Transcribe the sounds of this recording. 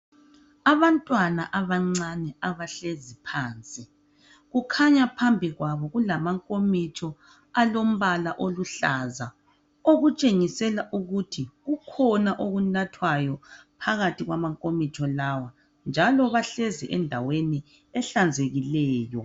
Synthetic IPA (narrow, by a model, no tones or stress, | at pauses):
aβantʼwanaʔaβaŋ͡ǀanɛaβaɬezipʰaːnt͡sʼi | ɣukʰaɲapʰambʱiɣwaβɔɣulamaŋkʼomit͡ʃʰɔ | alom̩βalaʔoluɬaza | oɣut͡ʃʼeŋisɛlaʔuɣutʰiɣukʰɔnaʔoɣunatʰwajɔpʰaɣatʰiɣwamaŋkʼomit͡ʃʰɔlawa | nd͡ʒʱalɔβaɬɛziʔɛndʱaweni | ɛɬand͡zʱeɣilɛːjɔ